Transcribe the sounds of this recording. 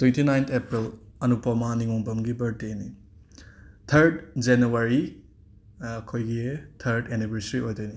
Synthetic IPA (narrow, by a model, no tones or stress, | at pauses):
twentinajnt̪ʰepɾilɐnupɐmaniŋoŋbɐmɡibɐɾdeni | tʰɐɾdd͡ʒenuaɾi | ɐkʰojɡitʰɐɾdenibɐɾsɾiojdojni